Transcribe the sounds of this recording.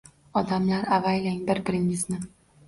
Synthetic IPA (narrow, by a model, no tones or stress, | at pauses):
ɒd̪amlaɾavajlaŋbɪɾbɪɾɪŋɪznɪ